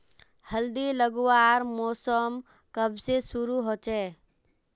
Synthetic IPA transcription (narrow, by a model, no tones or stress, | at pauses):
həld̪iləɡuaɾmɔːsəm | kəbsesʊɾuɦot͡ʃɛ